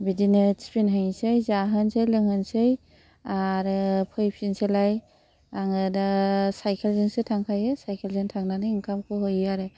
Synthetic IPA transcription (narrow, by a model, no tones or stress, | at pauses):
bidinɯspʰinɦɯŋsɯjzaɦɯnsejlɯŋhɯnsɯj | aɾɯpʰɯjpʰinselaj | aŋɯdasajkʰelzɯnsɯtʰaŋkʰajɯsajkʰelzɯntʰaŋnanɯiŋkʰamkʰɯhojaɾɯ